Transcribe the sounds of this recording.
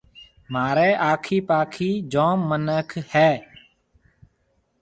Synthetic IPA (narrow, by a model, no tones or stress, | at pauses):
maːɾeːʔaːkʰiːpaːkʰiːd͡ʒõːmːənəkʰhɛː